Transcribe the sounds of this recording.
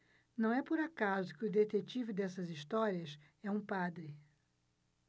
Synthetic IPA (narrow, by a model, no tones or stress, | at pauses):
nɐ̃w̃ɛpoɾakazʊkɪʊd̪et̪et͡ʃivɪd̪ɛsɐzist̪ɔɾiɐs | ɛũpad̪ɾɪ